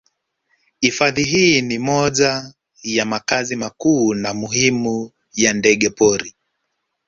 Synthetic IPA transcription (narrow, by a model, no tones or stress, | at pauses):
ifaðiɦiːnimɔʄa | jamakazimakuːnamuhimu | jandɛɠɛpɔɾi